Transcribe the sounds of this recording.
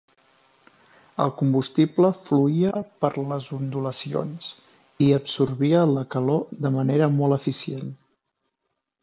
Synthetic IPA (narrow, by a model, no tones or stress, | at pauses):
ə̰lˠkumbust̪ipləfluiəpəɾləzund̪uləsio̰ns | iəpsuɾβiələkəlod̪əməneɾəmɔlˠəfisien